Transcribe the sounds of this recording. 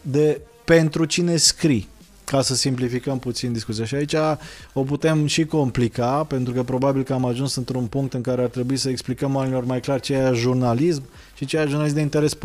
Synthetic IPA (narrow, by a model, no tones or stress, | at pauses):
d̪e̞ | pe̞nt̪ɾut͡ʃine̞skɾi | kasəsimplifikəmput̪sind̪iskut̪sijaʃiait͡ʃʲao̞put̪e̞mʃiko̞mplikape̞nt̪ɾukəpɾo̞babilkəamaʒunsɨnt̪ɾunpuŋk̚t̪ɨŋkaɾe̞art̪ɾe̞buisəeksplikəmoanilo̞rmajklarʲt͡ʃejaʃʒurnalism | ʃit͡ʃejaʒurnalismd̪eint̪eɾe̞sp